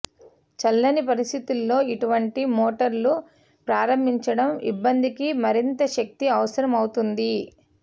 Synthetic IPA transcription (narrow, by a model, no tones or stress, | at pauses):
t͡ʃɐlːɐnipɐɾist̪ʰit̪ulːo̞ːiʈuʋɐɳʈimoːʈɐɾlu | pɾaːɾɐmbʱiɲt͡ʃɐɽɐmḭbːɐnd̪ikimɐɾint̪ɐʃɐk̚t̪iɐʋɐsɐɾɐmɐwut̪und̪i